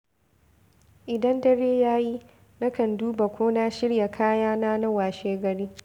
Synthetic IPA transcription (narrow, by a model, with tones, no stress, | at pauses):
ʔɪ˨dɐ˦ndɐ˦ɾeː˦jaː˦ji˦ | na˦kɐ˨nduː˦ba˨kʷoː˦na˦ʃɪ˦ɽja˨kʰaː˦jaː˦naː˦na˦waː˨ʃeː˦ɡɐ˨ɽiː˦